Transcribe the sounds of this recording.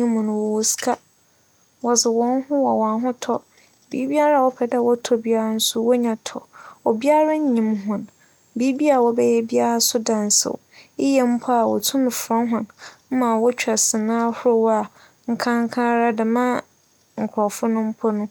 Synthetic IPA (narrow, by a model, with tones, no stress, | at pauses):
ɲĩ˦mũ˨nʊ̃˨wɔ˨wo˦skʰa˦ | wɔ˨sɪ˨wɔ̃˦n˦ɦʊ̃˦wɔ˨wa˨ɦʊ̃˦tʰɔ˦ | bḭː˨˦bi˦a˦ɾa˦˨wɔ˦pʰɛ˨da˨wɔ˦tʰɔ˦bi˦a˦ɾa˦n̩˦sʊ˦wɔ˦ɲã˨tʰɔ̰˨ɔ˨bi˦a˦ɾa˦ɲ̩˦ɲĩ˨mɦʊ̃˨n | bi˦bi˦a˨wɔ˦bɛ˦jɛ˦bi˦a˦ɾa˦sʊ˦dã˨n˨sɪ̰˨wɪ˦jɛ˨m̩˦pʰɔ˦a˨wɔ̰˨tʰʊ̃˦m˨fɾɔ̃˦nɦʊ̃˨n̩˦mã˨wɔ˦t͡ɕᶣɛ˨sɪ˨nãː˦hʊ˦ɾʊ˦˨wa˨ | ŋ̩˨kʰã˦ŋ˦kʰã˦ɾa˦dɪ˨mã˦ | ŋ̩˨kʰʊ˨ɾɔ˨fʊ˦nʊ̃˦m̩˦pʰɔ˦nʊ̃˦